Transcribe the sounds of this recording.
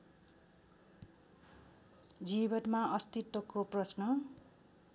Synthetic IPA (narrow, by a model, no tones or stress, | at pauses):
d͡zibʌnmaʌst̪it̪ːʌkoprʌsnʌ